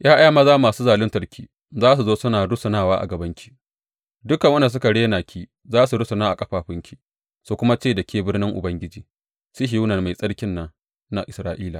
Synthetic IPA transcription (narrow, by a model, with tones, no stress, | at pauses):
jaː˦ʔa˦ja˦maː˦zaː˦maː˨suː˦zaː˨lʊ˦ntɐ˨rkʲʰiː˦ | zaː˦s̬u˨zoː˦sʊ˦naː˨ɽʊ˦sʊ˨naː˦˨waː˦ʔa̰˨ɡɐ˨bɐ˦ŋkʲʰi̥˦ | dʊ˦kɐ˨ŋwɐ˦nda˨s̬ʊ˦ka˨ɽeː˦naː˨kʲiː˦ | zaː˦su˨ɽʊ˦sʊ˨naː˦ʔa˨kʼɐ˦ɸaː˨ɸɪ˦ŋkʲi˨ | su˨kʷʊ˦ma˦t͡ʃeː˦˨da˨kʲeː˦bɪ˦ɽnɪ˦ŋʔʊ̰˨bɐ˦ŋɡʲɪ˦d͡ʒiː˨ | si˦ɦɪ˨juː˦nɐ˨ma˨jsʼɐ˦ɽkʲɪ˦nːa˦ | na˦ʔɪ˨sɾaː˦ʔiː˦laː˨